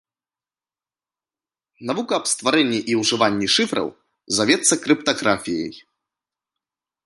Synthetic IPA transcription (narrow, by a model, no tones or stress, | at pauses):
navukɐːpst̪vaɾɛnʲːiʔiwʐɨvanʲːiʂɨfɾɐ̰w | zavʲɛt̪sːɐkɾɨpt̪aɣɾafʲijɐ̰j